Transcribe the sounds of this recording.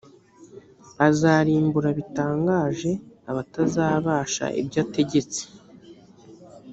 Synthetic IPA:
azaːɾiːmbuɾaβitaːŋɡaːʒe̞aβatazaːβaːʃa̰ʔḭbɟaːte̞ɟe̞t͡si̥

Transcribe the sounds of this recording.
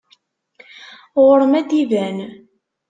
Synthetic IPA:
ʁʊɾəmæd̪ivæn

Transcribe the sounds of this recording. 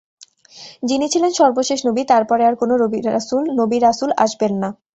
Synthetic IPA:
d͡ʑinit͡ɕʰilenʃɔɾboʃeʃnobit̪aɾpɔɾeaɾkonoɾobiɾsulnobiɾasula̰ʃbenːa

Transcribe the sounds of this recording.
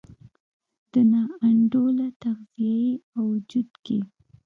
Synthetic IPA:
d̪̥ənɑaɳɖolat̪aɣzieawd͡ʒud̪ke

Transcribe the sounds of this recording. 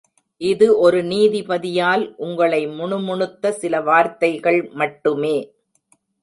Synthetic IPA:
ʔɪðɯʔɔɾɯniːðipɐðɪjaːlʔʊŋɡɐɭɐɪmʊɳʊmʊɳɯt̪ːɐsɪlɐʋaːɾt̪ɐɪɣɐɭmɐʈːɯmeː

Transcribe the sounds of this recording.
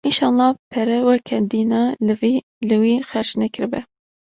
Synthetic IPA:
inʃɑːlˠːɑːpʰɛɾɛwɛkʰɛd̪iːnɑː | lɨwiːxɛɾʃnɛkʰɨɾɨbɛ

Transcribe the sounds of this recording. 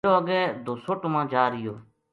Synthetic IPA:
oːɡɛːd̪ʱoːsoːʈomãːd͡ʒaːɾɪjoː

